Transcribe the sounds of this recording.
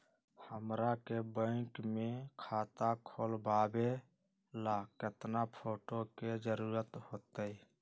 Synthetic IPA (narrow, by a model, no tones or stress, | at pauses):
həmɾakebə̃ɪkmẽkʰaːt̪akʰoːlbaːbe | laːket̪napʰoːʈoked͡ʒəɾuːɾət̪hoːt̪əi